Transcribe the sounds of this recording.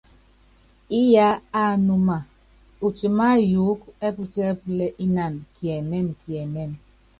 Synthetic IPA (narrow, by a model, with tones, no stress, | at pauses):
i˦ja˦a˦˨nu˦ma˨ | u˨t͡ʃi˨ma˦ju˨˦ke˦pu˦te˦ple˦ʔi˦na˨nkje˨me˦˨mkje˨me˦˨m